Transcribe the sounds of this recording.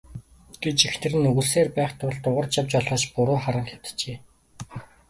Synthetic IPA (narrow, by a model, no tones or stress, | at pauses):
ɡ̥et͡ɕexnɘ̆rɘ̆nːɵɣŭɮseːrpæːχt̪ʰʊɮt̪ʊʁə̆rt͡ɕjawt͡ɕɔɮɔːt͡ɕpʊɾʊːχaɾə̆ŋxʲaw̥t̪̆t͡ɕeː